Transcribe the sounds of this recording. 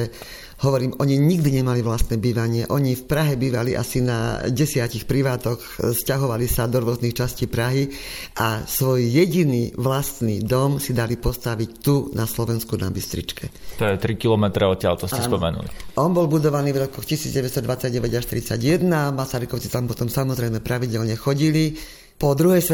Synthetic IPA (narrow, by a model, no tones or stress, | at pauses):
ɛ | hɔʋɔɾiːmʔɔɲiɲiɡd̪iɲɛmaliʋlast̪nɛbiːʋaɲɪɛʔɔɲifpɾaɦɛbiːʋaliʔa̰sina̰ɟɛsɪacixpɾiʋaːt̪ɔx | scaɦɔʋalisad̪ɔɾʊɔzniːxt͡ʃasciːpɾaɦi | ʔasʋɔjːɛɟiniʋlast̪nid̪ɔmsid̪alipɔst̪aʋict̪unʔaslɔʋɛnskuna̰bist̪ɾḭt͡ʃkɛt̪ɔjɛt̪ɾikilɔmɛt̪ɾɛɔt̪ːɪalt̪ɔscɛspɔmɛnṵlḭʔɔnbɔlbud̪ɔʋaniːvɾɔkɔxcisiːd͡zɟɛʋɛst̪ɔd̪ʋat͡sːaɟɟɛʋɛɟaʃt̪ɾit͡saɟjɛd̪namasaɾikɔʊt͡si̥t̪ampɔt̪ɔmsamɔzɾɛjmɛpɾaʋiɟɛlɲɛxɔɟili | pɔd̪ɾuɦɛjsʋɛ